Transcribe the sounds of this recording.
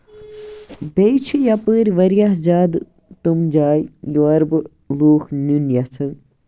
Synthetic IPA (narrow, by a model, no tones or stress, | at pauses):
bejt͡ʃʰijɐpəːɾʲʋɐɾjaɦzaːd̪ | t̪umd͡ʒaːjjuɐɾbɨ | luːxnunjɐsɐŋ